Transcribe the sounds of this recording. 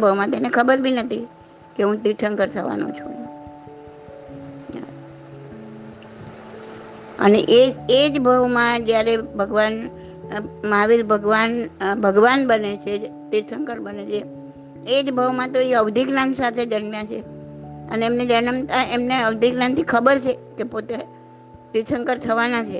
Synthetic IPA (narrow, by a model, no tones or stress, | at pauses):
bʱəʋmãt̪enekʰəbəɾbʱinət̪ʰi | keɦũt̪iʈʰəŋkəɾt̪ʰəʋa̰nṵ̃t͡ʃʰṵ̃ | a̰ | ə̰neʔeed͡ʒbʱəʋmãd͡ʒjaɾebʱəɡʋan | maʋiɾbʱəɡʋanbʱəɡʋanbənet͡ʃʰet̪iɾsəŋkəɾbənet͡ʃʰe | ed͡ʒbʱəʋmãt̪oiəʋd̪ʱiknansat̪ʰed͡ʒənmjãt͡ʃʰeəneːmned͡ʒənəmt̪aʔemneəʋd̪ʱiknant̪ʰikʰəbəɾt͡ʃʰekepot̪e | t̪iɾsəŋkəɾt̪ʰəʋanat͡ʃʰe